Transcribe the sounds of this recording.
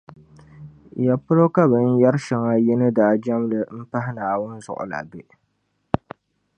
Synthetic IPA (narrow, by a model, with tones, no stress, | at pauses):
ja˨pʊ˦ɾo˦ka˦bɨ˨n̩˦ja˦ɾʃɪ˨ŋa˦jɪ˦nɨ˦daː˨d͡ʒa˦m˦lɨ˨m̩˦pa˦hɪ˦naː˨wʊ˦nzʊ̰˨ʔʊ̰˨la̰˨be˦ʔ